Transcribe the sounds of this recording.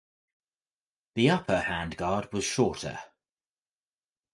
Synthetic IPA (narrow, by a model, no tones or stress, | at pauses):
ðiʌpʰəhãnɡɑːd̚wɒz̥ʃɔˑtʰə̰